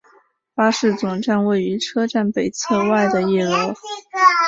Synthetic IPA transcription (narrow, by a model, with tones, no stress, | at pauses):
pa˥ʂɻ̩˥˩t͡sʊ˨˩ŋʈ͡ʂa˥˧nwe˥˩ɪy˧˥ʈ͡ʂʰɤ˥ʈ͡ʂa˥˩npe˨˩ɪt͡sʰɤ˥˧wa˥˩ɪd̪ə˩jɛ˥˩lo˧˥